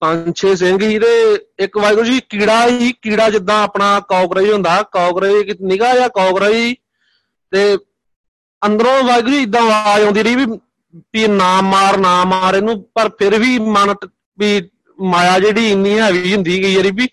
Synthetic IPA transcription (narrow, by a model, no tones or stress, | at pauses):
tãɲt͡ʃʰeːs̬ɪ̃ŋɡiːt̪eːɪkʋaːiːkʊɾd͡ʒiːkiːɽaːiːkiːɽaːd͡ʒɪd̪ːãːəpɳaːkɔːkɾəiːɦʊ̃nd̪aːkaːkɾəiːknɪkaːjaːkɔːkɾaːiː | t̪eː | ənd̪əɾõːʋaːiːkːt͡ʃiːɪd̪ːãːʋaːõːnd̪iːɾəiːbiː | piːnaːmaːɾnaːmaːɾeːnũːpəɾpʰɪɾʋiːmən | piː | maːjaːd͡ʒeːɽiːɪnːĩːɛːʋiːɦʊ̃nd̪iːɡəiːəɾiːbiː